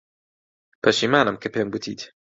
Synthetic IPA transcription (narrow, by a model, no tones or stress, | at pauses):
pʰɐʃimaːnɨmkʰɨpeːmɡɨt̪ʰḭːt̪